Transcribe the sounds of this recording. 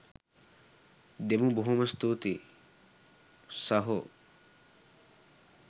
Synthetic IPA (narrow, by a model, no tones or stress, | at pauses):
d̪emuboɦumɐst̪uːt̪i | saɦo